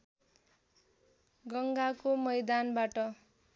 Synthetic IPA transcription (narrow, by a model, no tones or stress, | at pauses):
ɡʌŋɡakomʌjd̪anbaʈʌ